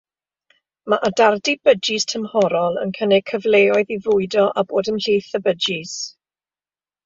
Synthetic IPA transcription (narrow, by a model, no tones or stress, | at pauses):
maʔadardibəd͡ʒistʰəmhɔɾɔlˠə̰nkʰənɛkʰəvleːɔɨðivʊɨdɔʔaboːdəmɬiːθəbəd͡ʒis